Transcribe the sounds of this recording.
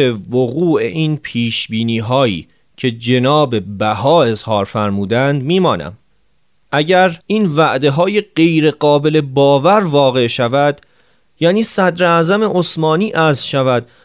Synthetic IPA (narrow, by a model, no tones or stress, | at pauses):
evoɣuːʔe̞ʔiːnpʰiːʃbiːniːɦɒːḭː | cʰe̞d͡ʒe̞nɒːbe̞bæhɒːe̞zhɒːɾfæɾmuːd̪ænd̪miːmɒːnæ̰m | ʔæɟæɾiːnvæʔd̪e̞ɦɒːje̞ɢe̞jɾe̞ɢɒːbe̞le̞bɒːvæɾvɒːɣe̞ʃævæd̪ | jæːniːsæd̪ɾeæːzæme̞ʔosmɒːniːʔæzʃævæd̪̥